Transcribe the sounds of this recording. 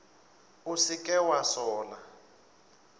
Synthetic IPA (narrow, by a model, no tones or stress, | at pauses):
usikʼɛwasɔːla